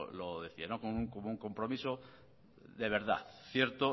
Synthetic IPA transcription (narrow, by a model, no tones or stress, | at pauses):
loðeθianokonuŋkomouŋko̞mpɾomiso | ðeβ̞e̞ɾð̞a̰θθje̞ɾt̪o